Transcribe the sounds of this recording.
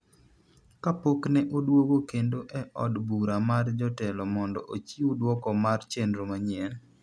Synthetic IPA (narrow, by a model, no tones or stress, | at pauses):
kapoknɛʔodwoɡokendoʔɛʔɔ̰dbuɾamard͡ʒɔtɛlɔmɔndɔ̰ʔot͡ʃiudwɔkɔmart͡ʃendɾomaɲiɛl